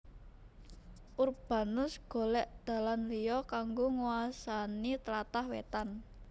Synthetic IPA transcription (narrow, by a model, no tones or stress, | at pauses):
ʔurb̥a̤nʊsɡ̥o̤lɛʔd̪̥a̤lanlijɔkaŋɡoŋuwasanit̪əlat̪ahwḛt̪an